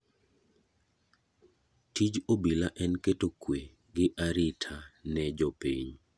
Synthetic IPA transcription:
tid͡ʒobilaʔɛnketokwe | ɡɪʔaɾitʰanɛd͡ʒɔpiɲ

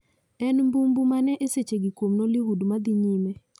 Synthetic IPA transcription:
ɛnmbumbumanɛʔeset͡ʃeɡikomnɔliɦudmad̪iɲime

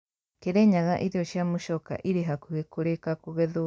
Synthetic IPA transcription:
keɾeɲaɣaʔiɾioʃiamuʃɔka̰ʔiɾeɦakuɣekuɾekakuɣeðu

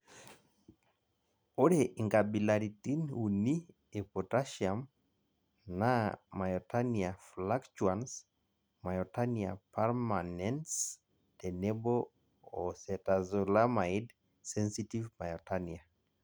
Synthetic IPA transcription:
oɾeʔiŋɡabilaɾitinuni | epɔtaʃiam | namajɔtaniaflakt͡ʃuans | majɔtaniapaɾmanɛns | tenebo | osɛtazolamaid | sɛnsitivmajɔtania

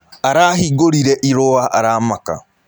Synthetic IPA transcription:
aɾahiɡoɾiɾɛʔiɾoaʔaɾaːmaka̰

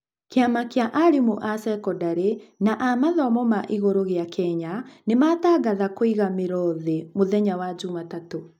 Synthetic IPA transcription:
keamakejaʔaɾimuʔasɛkɔdaɾenaʔamaðɔmɔmaʔiɣoɾoɣjakʰɛɲanemataːɡaðakwiɣameɾɔðɛmoðɛɲawad͡ʒumatato

